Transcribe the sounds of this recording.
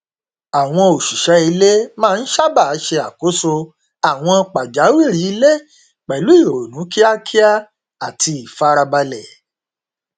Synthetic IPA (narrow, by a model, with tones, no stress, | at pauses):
a˨w̃ɔ̃˧o˨ʃu˨ʃɛ˨˦i˧le˦mãː˦˧n̩˦ʃa˦˨ba˦˨˦ʃe˧a˨ko˨˦so˧ | a˨w̃ɔ̃˧k͡pa˨d͡ʒa˨˦wi˦˨ɾi˨˦i˧le˦ | k͡pɛ˨lu˨˦i˦˨ɾo˨nũ˨˦ki˦a˦kʰi˦a˦ | a˨tʰi˧i˨fa˦ɾa˧ba˧lɛ˨